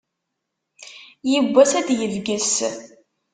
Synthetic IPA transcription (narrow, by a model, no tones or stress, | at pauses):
jəbʷːæsæd̪jəvɡəs